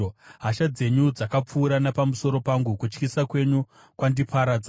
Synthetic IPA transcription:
oɦaʃad͡ze̞ɲud͡zakap͡fuːɾanapamuso̞ɾo̞paŋɡukut͡ʃkisakwe̞ɲu | kwandipʰaɾad͡za

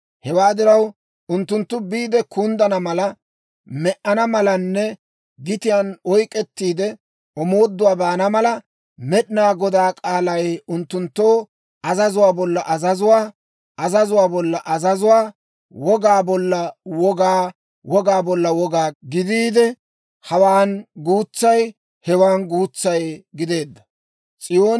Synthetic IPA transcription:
hɛwaːd̪ɪɾɐw | ʔʊnt̪ːʊnt̪ːʊbiːd̪ɛkʰund̪ɐnɐmɐlɐ | mɛʔɐnɐmɐlɐnːɛ | ɡɪt̪ɪjanɔjkʼːɛt̪ːiːd̪ɛ | ɔmo̞ːd̪ːʊwaːbaːnɐmɐlɐ | mɛɗɪnaːɡɔd̪aːkʼaːlɐjʊnt̪ːʊnt̪ːoː | ɐzɐzʊwaːbɔlːɐʔɐzɐzʊwaː | ʔɐzɐzʊwaːbɔlːɐʔɐzɐzʊwaː | wɔɡaːbɔlːɐwɔɡaː | wɔɡaːbɔlːɐwɔɡaːɡɪd̪iːd̪ɛ | hɐwaːnɡuːt͡sːɐj | hɛwaːnɡuːt͡sːɐjɡɪd̪e̞ːd̪ːɐ̥ | t͡sʼɪjoː

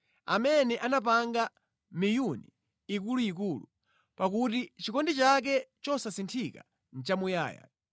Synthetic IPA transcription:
a̰mɛnɛʔanap̬aŋɡa | mijuni | ikuluik̬uːlu | pak̬utit͡ʃikɔndit͡ʃak̬ɛt͡ʃɔsasintʰika̰ | n̩t͡ʃamuja̰ːja̰

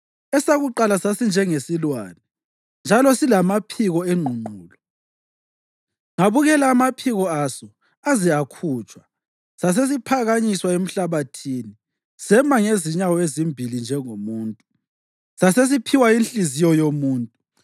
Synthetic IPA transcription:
ɛsaɣuǃalasasind͡ʒʱɛŋesilwaːnɛ | nd͡ʒʱalɔsilamapʰiɣɔeŋ͡ǃʱuŋ͡ǃuːlɔ | ŋaβuɣɛlaːmapʰiɣɔasɔ | aziakʰuːt͡ʃʼwa | sas̬es̬ipʰaɣaɲiswaem̩ɬaβatʰiːni | sɛmaŋeziɲawɔezimbʱilind͡ʒʱɛŋomuːntʼu | sases̬ipʰiwainɬʼizijɔjomuːntʼu

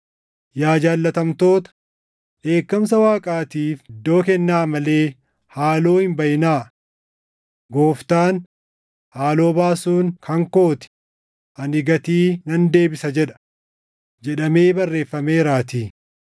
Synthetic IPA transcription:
jaːd͡ʒaːlːɐt̪ɐmt̪o̞ːt̪ɐ̥ | ʔe̞ːkːɐmsɐwaːkʼaːt̪iːfɪd̪ːo̞ːkɛnːaːmɐle̞ː | haːloːhɪmbɐjɪnaː | ɡo̞ːft̪aːn | haːlo̞ːbaːsuːŋkɐŋko̞ːt̪ɪ̥ | ʔɐnɪɡɐt̪iːnɐnd̪e̞ːbɪsɐd͡ʒɛᶑɐ̥ | d͡ʒɛᶑɐme̞ːbɐrːe̞ːfːɐme̞ːɾaːt̪iː

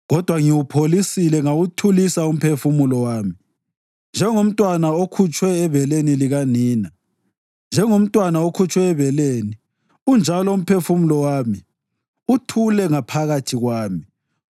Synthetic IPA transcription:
ɣɔd̥ʱwaŋiwupʰolisilɛŋawutʰulisaum̩pʰefumulɔwaːmi | nd͡ʒʱɛŋom̩tʼwanaokʰut͡ʃʼwɛːβɛleniliɣaniːna | nd͡ʒʱɛŋom̩tʼwanaokʰut͡ʃʼwɛːβɛleːni | und͡ʒʱalɔum̩pʰefumulɔwaːmi | utʰulɛŋapʰaɣatʰiɣwaːmi

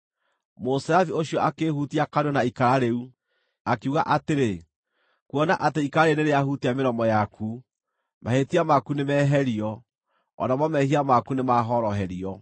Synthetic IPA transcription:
mosɾavioɕiɔʔakehutiakanɔnaikaɾaɾeu | akiuɣaʔateɾe | kuɔnaʔateikaaɾeneɾeahutiameɾɔmɔjakʰu | ma̰hetiamakunemɛːɦɛɾiɔ | ɔ̰namɔmɛɦiamakunemaɦɔɾɔɦɛɾiɔ

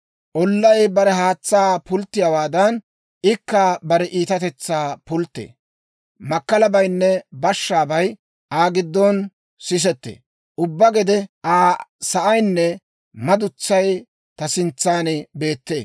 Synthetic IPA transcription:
ʔɔlːɐjbɐɾɛɦaːt͡sːaːpʊlt̪ːɪjawaːd̪ɐn | ɪkːaːbɐɾɛʔiːt̪ɐt̪ɛt͡sːaːpʊlt̪ːḛː | mɐkːɐlɐbɐjnːɛbɐʃːaːbɐj | aːɡɪd̪ːɔn | sɪs̬ɛt̪ːḛː | ʔʊbːɐɡɛd̪ɛʔaːsɐʔɐjnːɛ | mɐd̪ʊt͡sːɐj | t̪ɐsɪnt͡sːaːnɪbe̞ːt̪ːe̞̰ː

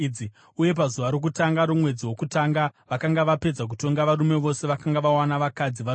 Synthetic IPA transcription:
d͡zi | uje̞p̬azuʋaɾo̞k̬utaŋɡaɾomwe̞d͡ziwo̞kutaŋɡaʋakaŋɡaʋape̞d͡zak̬uto̞ŋɡaʋaɾume̞ʋo̞se̞ʋakaŋɡaʋawanaʋakad͡ziʋa

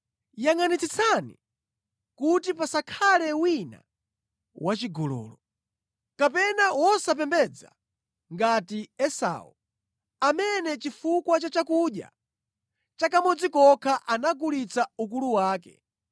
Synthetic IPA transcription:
jaŋanit͡sit͡sʰanḭ | kutipasakʰalɛwina̰ | wʔat͡ʃiɡɔlɔ̰ːlɔ | kapɛnawɔsap̬ɛmbɛd͡za̰ | ŋɡatiɛsa̰ṵ | amɛnɛt͡ʃifukwat͡ʃat͡ʃakuɗja̰ | t͡ʃakamɔd͡zikɔkʰaʔanaɡulit͡sauk̬uluwaːkɛ̰

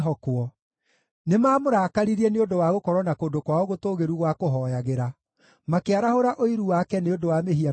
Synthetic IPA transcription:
ɔkwɔ | nemaːmoɾaːkaɾiɾiɛneondowaɣokɔɾɔnakoːndokwaoɣotoːɣeɾuɣwakoɦɔːjaɣeɾa | makeaɾahoɾaʔoiɾuwakɛneondowameɦia

